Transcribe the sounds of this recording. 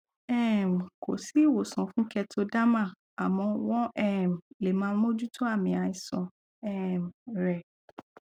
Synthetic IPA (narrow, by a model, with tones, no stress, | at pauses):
ɛ˦˨m̩˨kʰo˨si˦˨wo˨sɔ̃˨fũ˦kɛ˧tʰo˧˦da˦mã˦˨ | a˨mɔ̃˧wɔ̃˦ʔɛ˦˨m̩˨le˨mãː˧˦n˦mõ˦d͡ʒu˦tʰo˦a˦˨mĩ˧˦a˨˧ĩ˨sɔ̃˨ | ɛ˦˨m˨ɾɛ˨